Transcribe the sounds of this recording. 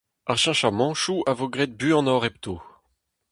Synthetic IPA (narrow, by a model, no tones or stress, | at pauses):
aʁʃɛ̃ʃamɑ̃ʃuavoɡʁɛd̪̚byɑ̃nɔʁɛpt̪ʰoː